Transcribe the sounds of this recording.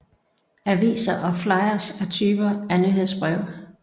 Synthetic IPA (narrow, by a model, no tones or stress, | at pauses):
æɐʋḭːsɐʔɒ̽flɑ̈ɪɐsæt͡sʰyːb̥ɐæɐnyɦe̝ð̞̰ˠsb̥ʁɛʊ̰